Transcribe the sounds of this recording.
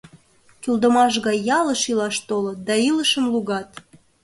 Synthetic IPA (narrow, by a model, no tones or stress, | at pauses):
kyld̪əmɑʃ̬ɣɑjːɑləʃilɑʃt̪olət̪̚d̪ɑiləʃəmluɣɑt̪